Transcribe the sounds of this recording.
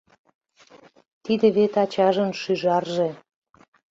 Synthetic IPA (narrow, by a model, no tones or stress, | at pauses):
t̪id̪ĕβet̪ɑt͡ɕɑʒənʃyʒɑrʒe